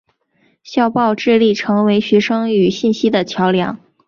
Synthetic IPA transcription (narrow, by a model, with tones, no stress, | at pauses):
ɕjɑ˥˧ʊpɑ˥˧ʊʈ͡ʂɻ̩˥˧li˥˩ʈ͡ʂʰɤ˧˥ŋwe˧˥ɪɕɥɛ˧˥ʂɤ˥ŋy˨˩ɕi˥˩nɕi˥d̪ə˨t͡ɕʰjɑ˧˥ʊljɑ̰˧˥ŋ